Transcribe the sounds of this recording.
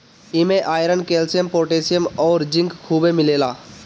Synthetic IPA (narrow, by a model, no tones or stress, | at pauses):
ɪmẽʔaːjɾənkeːlsijəmpoːʈeːsijəmɔːɾd͡ʒɪ̃ŋkkʰːuːbemɪleːlaː